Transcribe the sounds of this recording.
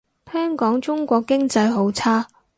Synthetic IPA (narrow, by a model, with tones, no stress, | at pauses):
hœː˥ŋkɔː˨˥ŋt͡ʃʊ˥ŋkʷɔː˧kːɪ˥ŋt͡sɐ˧jɦo˨˥wt͡sʰaː˥